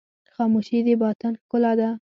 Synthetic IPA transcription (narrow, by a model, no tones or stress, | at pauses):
xɑmuʃid̪ebɑt̪anxkʊlad̪a